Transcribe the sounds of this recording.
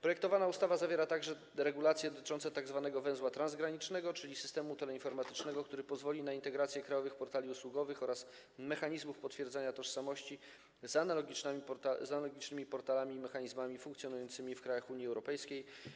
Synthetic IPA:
pɾɔjɛk̚t̪ɔvanaust̪avazavʲjeɾat̪aɡʐɛ | ɾɛɡulat̪sʲjɛd̪ɔt̪ɘ̥t͡ʂɔnt̪sɛt̪aɡzvanɛɡɔvɛ̃zwat̪ɾanzɡɾaɲit͡ʂnɛɡɔt͡ʂɘlʲisɘ̥st̪ɛmut̪ɛlɛinfɔɾmat̪ɘ̥t͡ʂnɛɡɔkt̪uɾɘpɔzvɔlʲinaint̪ɛɡɾat̪sʲjɛkɾajɔvɘxpɔɾt̪alʲiuswuɡɔvɘxɔɾas | mɛxaɲizmufpɔt̪fʲjɛɾd̪zaɲat̪ɔʂsamɔɕt͡ɕi | zanalɔɡʲit͡ʂ̪amʲipɔɾt̪azanalɔɡʲit͡ʂnɘmʲipɔɾt̪alamʲiːmɛxaɲizmamʲifuŋkt̪sʲjɔnujɔnt̪sɘmʲifkɾajaxuɲiɛwɾɔpɛjskʲej

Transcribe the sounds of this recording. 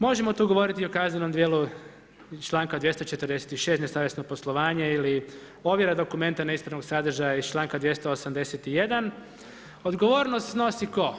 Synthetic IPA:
mo̞ʒemo̞t̪uːɡo̞ʋo̞ɾit̪iokazɲeno̞md̪je̞ːlu | t͡ʃlˠaːŋkad̪ʋje̞st̪ot͡ʃet̪ərd̪eset̪iʃe̞st̪nesaːʋjesnopo̞slˠoʋaːɲeili | o̞ʋjeɾad̪o̞kume̞nt̪anaispɾanoɡsad̪r̩ʒajaiz̥t͡ʃlˠaːŋkad̪ʋje̞st̪oosamd̪e̞set̪ije̞d̪an | o̞d̪ɡo̞ʋo̞ːɾnost̪no̞siko̞

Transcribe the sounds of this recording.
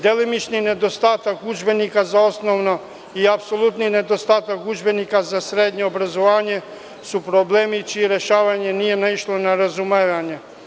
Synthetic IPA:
d̪elimit͡ʃnined̪ost̪aːt̪akud͡ʒbenikazaosnoʋno | iapsolˠut̪nined̪ost̪aːt̪akɡud͡ʒbenikazasɾeːd̪ɲeobɾazoʋaːɲe | supɾobleːmit͡ʃijeɾeʃaːʋaɲenijenaiʃlˠonaɾazumeʋaɲe

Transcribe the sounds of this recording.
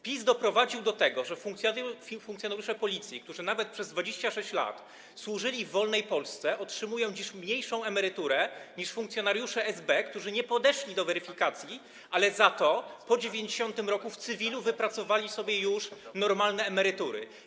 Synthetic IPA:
pʲizd̪ɔpɾɔvad͡ʑiwd̪ɔt̪ɛɡɔʐɛfukfuŋkt̪ʲjɔnaɾjuʂɛpɔlʲit̪sʲjik̚t̪uʐɘnavɛt̪̚pʂɛzd̪vad͡ʑeɕt͡ɕaʂɛɕt͡ɕla̰t̪ | swuʐɘlʲivːɔlnɛjpɔlst̪sɛʔɔtʂɘmujɔ̃w̃d͡ʑiɕmɲejʂɔ̃w̃ɛmɛɾɘt̪uɾɛɲiʂfuŋk̚tsʲjɔnaɾjuʂɛɛzbɛkt̪uʐɘɲɛpɔd̪ɛʂlʲid̪ɔvɛɾɘfʲikat̪sʲji | ʔalɛzat̪ɔpɔd͡ʑevʲjeɲd͡ʑeɕɔnt̪ɘmɾɔkuft̪sɘvʲiluvɘpɾat̪sɔvalʲisɔbʲjɛjuʂnɔɾmalnɛːmɛɾɘt̪uɾɘ̰

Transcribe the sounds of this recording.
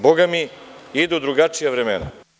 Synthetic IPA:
boɡamiid̪ud̪ɾuɡat͡ʂijaʋɾemḛna̰

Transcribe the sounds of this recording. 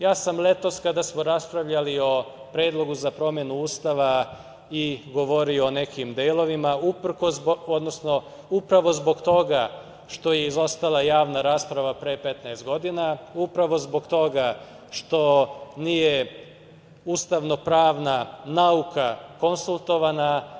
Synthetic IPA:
jaːsamle̞t̪o̞skad̪asmo̞ɾaspɾaʋʎalio̞ | pɾeːd̪lˠo̞ɡuzapɾo̞mje̞nuuːst̪aʋa | iɡo̞ʋo̞ɾioːne̞kimd̪eːlˠo̞ʋimaupr̩kosod̪nosno̞ | upɾaʋo̞zbo̞ɡt̪o̞ɡa | ʃt̪o̞je̞izo̞st̪alˠajaːʋnaɾaːspɾaʋapɾeːpe̞t̪naest̪̚ɡo̞d̪inaupɾaʋo̞zbo̞ɡt̪o̞ɡa | ʃt̪o̞nije̞ | uːst̪aʋno̞pɾaːʋnanaukʰako̞nsulˠt̪o̞ʋana

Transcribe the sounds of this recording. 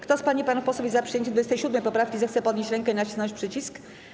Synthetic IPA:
kt̪ɔspaɲipanufpɔswvʲjizapʂɨjeɲt͡ɕɛd̪vud͡ʑest̪ɛɕud̪mɛjpɔpɾafkʲizɛxt̪sɛpɔd̪ɲʲeɕt͡ɕɾɛŋkɛinaɕisnɔ̃ɲt͡ɕʲpʂɘt͡ɕisk

